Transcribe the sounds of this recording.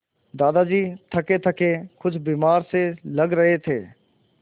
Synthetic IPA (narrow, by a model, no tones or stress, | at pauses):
d̪aːd̪ad͡ʒiːt̪ʰɐket̪ʰɐkekʊt͡ʃʰbiːmaːɾselɐɡɾɐɦet̪ʰeː